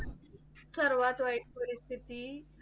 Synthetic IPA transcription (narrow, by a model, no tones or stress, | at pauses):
səɾʋat̪ʋajʈpəɾist̪ʰit̪iː